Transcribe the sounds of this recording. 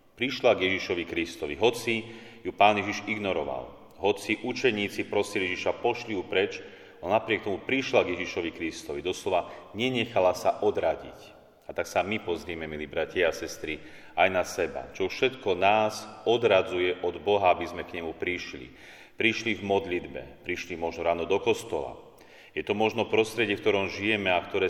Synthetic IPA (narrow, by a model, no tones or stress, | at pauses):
pɾiʃlaɡjɛʒiʃɔʋikɾist̪ɔʋiɦɔt͡si | jupaːnjɛʒiʒiɡnɔɾɔʋa̰l | ɦɔt͡siʔut͡ʃɛɲiːt͡sipɾɔsiːljɛʒiʃapɔʃlijupɾɛt͡ʃ | napɾɪɛk̚t̪ɔmupɾiʃlaɡjɛʒiʃɔʋikɾist̪ɔʋid̪ɔslɔʋaɲɛɲɛxalasaʔɔd̪ɾaɟḭc | at̪aksamipɔzɾiɛːmɛmilibɾacɪɛasɛst̪ɾi | ajnasɛba̰t͡ʃɔfʃɛt̪kɔnaːzɔd̪ɾad͡zujɛʔɔd̪bɔɦaabizmɛkɲɛmupɾiʃlḭ | pɾiʃlivmɔd̪lid̪bɛ̰pɾiʃlimɔʒnɔɾaːnɔd̪ɔkɔst̪ɔla̰ | jɛt̪ɔmɔʒnɔpɾɔst̪ɾɛɟɪɛfkt̪ɔɾɔmʒijɛmɛak̚t̪ɔɾɛː